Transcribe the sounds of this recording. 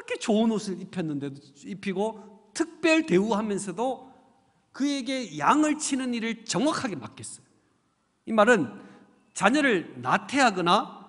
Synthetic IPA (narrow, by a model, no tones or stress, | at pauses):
ɾʌkʰe̞t͡ɕoɯnosʰɯɭipʰjʌnːɯnde̞do | ipʰiɡotʰɯk̚p͈jʌɭte̞uɦamjʌnsʰʌdo | kɯe̞ɡe̞jaŋɯɭt͡ɕʰinɯniɾɯɭt͡ɕʌŋwakʰaɡe̞mak͈es͈ʌ̥jo | imaɾɯn | t͡ɕaɲʌɾɯɭnatʰe̞ɦaɡʌna